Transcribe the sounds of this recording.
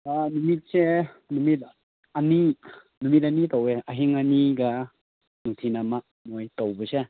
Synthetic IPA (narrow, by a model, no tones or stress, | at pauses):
anumit̚se | numit̚ | ani | numit̬̚anitoweəɦiŋaniɡa | nuŋt̪ʰinamak̚ | mojtowbəse